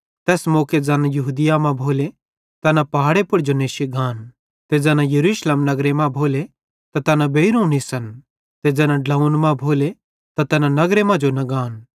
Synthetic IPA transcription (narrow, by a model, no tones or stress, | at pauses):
t̪ɛːsmoːked͡zɛːnãjɐɦuːd̪ɪjamãbʱoːle | t̪ɛːnãpɐɦaːɽepʊɾd͡ʒoneːʃiɡaːn | t̪ed͡zɛːnãjɐɾuːʃleːmnɐɡɾemãbʱoːle | t̪at̪ɛːnãbeːiɾonisɐn | t̪ed͡zɛːnãɖlɐunmãbʱoːle | t̪at̪ɛːnãnɐɡɾemãd͡ʒonɐɡaːn